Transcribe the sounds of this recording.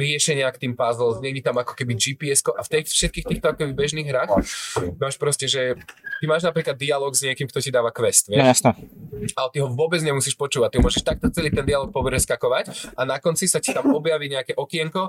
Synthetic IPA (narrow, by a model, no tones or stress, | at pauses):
ɾɪɛʃɛɲɪakt̪iːmpazlɔɲɛɡɟɛt̪amakɔ̥kɛbid͡ʒipiɛskɔʔaft̪ɛfʃɛt̪̚kiːxt̪iːxt̪ɔakɔkɛbibɛʒniːɣɦɾaːxmaːʃpɾɔscɛʒɛt̪imaːʒnapɾiːklad̪ːialɔɡzɲɪɛkimkt̪ɔcid̪aːʋakʋɛst̪ʋɪɛʃ | alɛt̪iɦɔʋʊɔbɛd͡zɲɛmusiːʃpɔt͡ʃuːʋact̪iɦɔmʊɔʒɛʃt̪ak̚t̪ɔt͡sɛliːt̪ɛnd̪ialɔk̚pɔpɾɛskakɔʋacanakɔnt͡sisaci̥t̪amɔbjaʋiɲɛakɛʔɔkɪɛŋkɔ